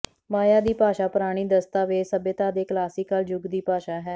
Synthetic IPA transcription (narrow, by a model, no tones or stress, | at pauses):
maːjaːd̪iːpaːʃaːpʊɾaːɽ̃iːd̪əst̪aːʋeːsəbjət̪aːd̪eːklaːsiːkaːld͡ʒʊɡd̪iːpaːʃaːɦɛː